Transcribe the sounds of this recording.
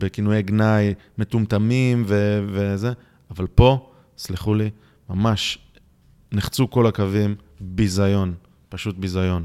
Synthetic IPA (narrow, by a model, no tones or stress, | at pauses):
bekinujeɡnaj | me̞t̪umt̪amimveveze̞ | avalpo̞ | sliχuli | mamaʃ | niχt͡suko̞lakavim | bizajo̞n | paʃut̪̚bizajo̞n